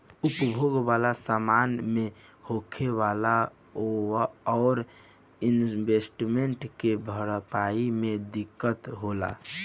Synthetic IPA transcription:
upbʱoɡʋalasamanmehokʰeʋala | oaɔːɾ | inbesʈmeɳʈkebʱəɾpaimẽd̪ikːət̪ɦola̰

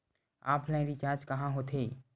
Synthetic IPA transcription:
a̰ːpʰlɛ̃ɾit͡ʃaːɾd͡ʒkɐɦãɦoːt̪ʰeː

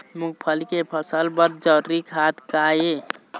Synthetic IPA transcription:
muk̚pʰəlkepʰəsəlbəɾd͡ʒəɾɾikʰaːt̪kaːje

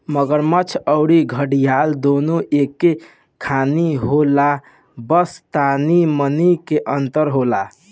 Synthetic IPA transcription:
məɡəɾmət͡ʃʰəʊɽiɡʱəɽijald̪onoʔekːe | kʰaniɦola | bəst̪animənikeʔənt̪əɾɦola

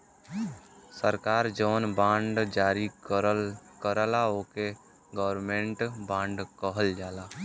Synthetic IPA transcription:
səɾkaːɾd͡ʒoːnbãːɳɖd͡ʒaːɾik | kəɾəlaoːke | ɡɔːəɾmẽːɳʈbãːɳɖkəɦəld͡ʒaːlaː

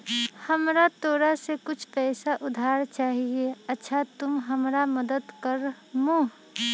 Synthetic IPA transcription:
həmɾat̪oːɾasekʊt͡ʃʰpɛːsaʔʊd̪ʱaːɾt͡ʃaːɦieɐtːʃʰat̪ʊmɦəmɾaməd̪əd̪kəɾ | muɦ

